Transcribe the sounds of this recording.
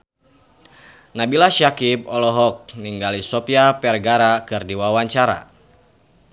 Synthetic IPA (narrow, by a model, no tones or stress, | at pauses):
nabilaʃakip̚ɔlɔɦɔk̚niŋɡalisɔpiapɛrɡaɾakɨrdiwawaɲt͡ʃaɾa̰